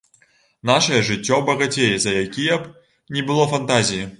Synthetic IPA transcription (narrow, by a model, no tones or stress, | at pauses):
naʂɐjɐʐɨt͡sʲːɔbɐɣat͡sʲejɛzɐjakʲijɐp | nʲɛbɨlˠɔfant̪azʲiji